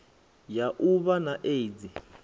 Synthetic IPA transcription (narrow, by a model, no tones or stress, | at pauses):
jaʔuβanaʔeid͡zi